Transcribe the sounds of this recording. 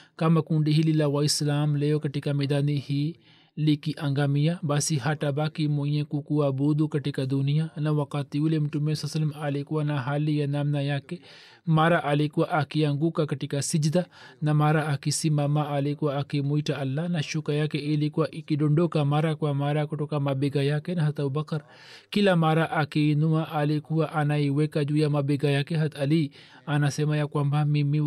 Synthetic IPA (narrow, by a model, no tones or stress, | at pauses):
kamɐkũɳɖiɦililawaislaːmlejokɐʈikameːd̪aːnihi | likiʔɐŋɡaːmijabaːsiɦaʈabaːkimojẽkukuwabuːd̪ukɐʈikad̪unijanɐwɐkaːt̪iulemʈumẽsɐsɐlmaːlekuwanaɦaːlijanamnajake | maːɾaʔalekuwaʔakijɐŋɡukakɐʈikasid͡ʒd̪anamaɾaːkisimamaalikuwaːkimuitaalːanaʃukajakɛilikuwaʔikiɗɔndɔkamaɾakwamaɾakutɔkamabɛɡajakɛnaɦat̪abubakaɾ | kilamaɾaʔakiːnuaʔalikuwaʔanaiwɛkad͡ʒuːjamabɛɡajakɛɦat̪ali | anasɛmajakwambamimi